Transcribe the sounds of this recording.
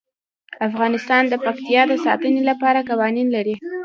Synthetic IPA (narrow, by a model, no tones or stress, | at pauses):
afɣɑnɪst̪ɑnd̪əpakt̪ijɑd̪əsɑt̪ənelapɑɾakawɑninlaɾi